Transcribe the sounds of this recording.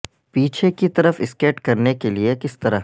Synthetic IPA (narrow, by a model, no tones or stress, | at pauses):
piːt͡ʃʰekit̪ɐɾəfɪskeːʈkɐɾnekeliekɪst̪ɐɾa